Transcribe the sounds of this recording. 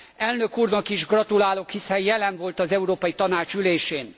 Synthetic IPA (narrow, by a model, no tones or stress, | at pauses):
ɛlnøkuːrnɒkiʒɡrɒt̪ulaːlo̞khisɛjjɛlɛɱvo̞lt̪ɒzɛuɾoːpɒjit̪ɒnaːt͡ʃyleːʃeːn